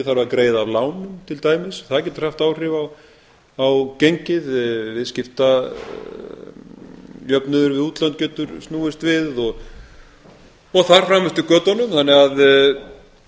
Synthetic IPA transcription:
θaɾakɾeːjðaːvlaːwnʏmt̪ʰɪlt̪aːjmɪsθaðcɛːt̪r̥aft̪aːwr̥ɪvaw | awcejɲcɪðvɪðscɪft̪a | jœpnʏðʏɾvɪðuːt̪lant̪̚cœːt̪ʏɾstnuːɪst̪vɪðɔɣ | ɔɣθaɾ̥fɾaːmːɛst̪ʏkœːt̪ɔnʏmθanːɪɣað

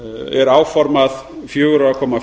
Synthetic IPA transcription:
ɛɾaːwfɔɾmað | fjoːɣɾakʰɔːma

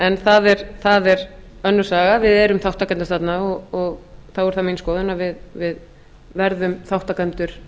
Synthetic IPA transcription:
ɛnθaðɛɾθaðɛɾœnːʏɾ̥saːɣavɪðɛɾʏmθawht̪akɛnt̪ast̪at̪naɔɣɔɣθaɛɾ̥θaminskɔːðʏnavɪðvɪð | vɛɾðʏmθawht̪akɛnt̪ʏɾ̥

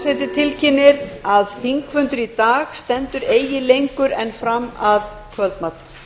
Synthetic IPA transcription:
sɛt̪ɪt̪ʰɪlcʰɪnːɪɾaðθiŋkvʏnt̪ʏɾit̪aːɣst̪ɛnt̪ʏɾeːjjɪlejŋkʏɾɛnfɾamːað | kʰvœlt̪mat̪

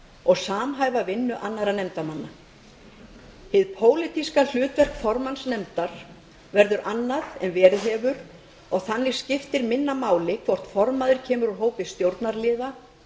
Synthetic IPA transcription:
ɔɣsaːmɦaːjvavɪnːʏʔanːaɾanɛmt̪amanːa | hɪðpʰoːwlɪt̪iskal̥ʏːt̪vɛr̥kfɔɾmansnɛmt̪aɾ̥ | vɛɾðʏɾʔanːaðɛnvɛːɾɪðɦɛːvʏɾ | ɔɣθanːɪ̥scɪft̪ɪɾmɪnːamaːwlɪkʰvɔr̥t̪fɔɾmaðʏɾ̥cʰɛːmʏɾuɦoːwpɪst̪jowɾt̪naɾlɪːða

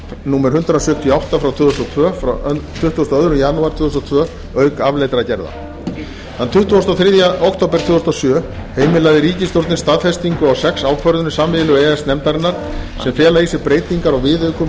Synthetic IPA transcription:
nuːmɛɾ̥hʏnt̪ɾasʏht̪ʰiawht̪afɾawt̪ʰʏːðʏst̪ɔt̪ʰvœːfat̪ʰʏht̪uɔst̪ɔœðɾʏjanuaɾ̥t̪ʰʏːðʏst̪ɔt̪ʰvœː | œɥkavlejt̪ɾacɛɾða̰ | ðant̪ʰʏht̪ɔst̪ɔθɾɪðjaowkt̪owpɛɾ̥t̪ʰvʏːðʏst̪ɔsjœːheːjmɪlaðɪɾiːcɪst̪joɾt̪nɪnst̪aðfɛst̪iŋkʏawsɛksaːwkʰvœɾðʏnɪsaːmɪlʏɛːɛsnɛmt̪aɾnaɾ̥ | sɛmfjɛːlaðisɪɾpɾeːjt̪iŋkaɾawvɪːðœɥkʏ

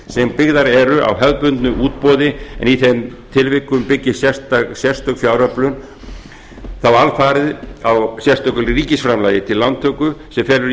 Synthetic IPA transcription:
sɛmpɪɣðaɾɛɾʏʔa̰wɦœðpʏnt̪nʏʔuːt̪̚pɔːðɪɛ̰niθɛmt̪ʰɪlvɪkːʏmpɪcːɪsjɛst̪asjɛr̥st̪œkfjawɾœplʏn | θawalfaːɾɪðawsjɛrst̪œkʏlriːcɪsfɾamlaːjɪt̪ʰɪlːant̪ʰːœːkʏsɛmfɛːlʏ

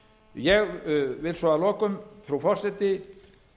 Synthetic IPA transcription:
jɛɣvɪlsvɔːalɔːkʏmθɾufɔr̥sɛt̪ɪ

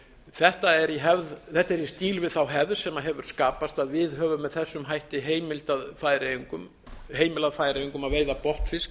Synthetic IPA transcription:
θɛht̪aɛɾiɦɛvðθɛht̪aɛɾist̪iːlvɪðθawɦɛvðsɛmaɦɛvʏɾ̥skaːpast̪aðvɪðɦœːvʏmːɛðθɛsːʏmɦajht̪ɪɦeːjmɪlt̪aðfaːjɾejiŋkʏm | ɦeːjmɪlaðfaːjɾejiŋkʏmaðveːjðapɔht̪fɪsk

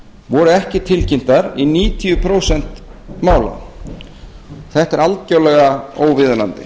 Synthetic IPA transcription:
vɔɾʏɛhcɪt̪ʰɪlcɪm̥t̪aɾiniːt̪ʰiʏpʰɾoːwsɛn̥t̪maːwla̰ | θɛht̪ɛɾalt̪cawlɛɣaoːwvɪðnant̪ɪ̰

